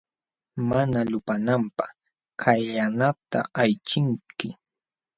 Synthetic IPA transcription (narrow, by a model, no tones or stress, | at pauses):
manalʊpanampaχ | kʰaʎanat̪a̰ajt͡ʃɪŋkɪ